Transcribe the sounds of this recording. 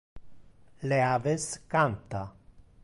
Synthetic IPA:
leaveskant̪a

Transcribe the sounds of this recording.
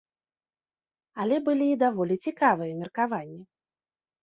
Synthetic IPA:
ɐlʲɛbɨlʲiːd̪avɔlʲit͡sʲikavɨjɐmʲirkavanʲːi

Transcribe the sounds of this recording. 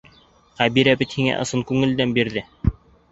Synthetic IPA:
χæβiɾæbɘt̪hiŋæ̰ʔɤ̆sɤŋkʉŋɘ̆ld̪ænbiɾðɘ

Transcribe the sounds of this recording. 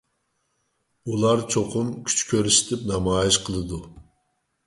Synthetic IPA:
ulˠɑɾt͡ʃʰoqʰʊmkʲʰy̥t͡ʃkʲʰøɾyʃi̥t̪ʰɪpnɑmɑːjiʃqʰəlˠɨd̪u

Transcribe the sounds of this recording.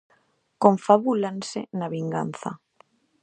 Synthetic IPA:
kõɱfaβulansɪ̰naβiŋɡa̰nθa̰

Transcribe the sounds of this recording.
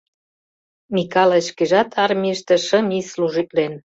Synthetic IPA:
mikɑleʃkeʒɑt̪ʰɑrmʲiʃt̪ĕʃə̆misluʒit̪len

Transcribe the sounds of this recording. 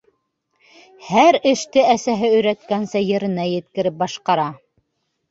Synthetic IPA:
hæɾɘ̆ʃt̪ɘæsæɦɘɵ̆jɾæt̪kænsæjɘ̆ɾɘ̆næjɘ̆t̪kɘ̆ɾɘp̚bɑʃqɑɾɑ

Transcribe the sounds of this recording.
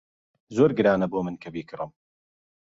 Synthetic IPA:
zoːɾɡɨɾaːnɐboːmɨnkʰɐbiːkʰɨɾɨm

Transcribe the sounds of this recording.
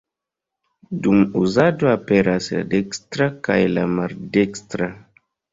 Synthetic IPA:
dumuzado̞apeɾasla̰dekstɾaka̰jla̰maɾdekstɾa

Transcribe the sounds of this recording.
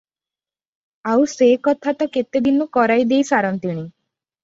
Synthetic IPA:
awsekɔt̪ʰat̪ɔket̪ed̪inukɔɾajd̪ejsaɾɔnt̪iɽ̃i

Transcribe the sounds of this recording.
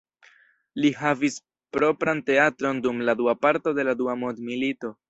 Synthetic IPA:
liɦavis | pɾo̞pɾante̞atɾo̞ndumladuapaɾto̞de̞laduamodmilito̞

